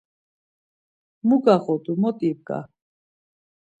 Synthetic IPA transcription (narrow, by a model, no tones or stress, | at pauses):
muɡaχɔt̪ʼumɔt̪ʼibɡa̰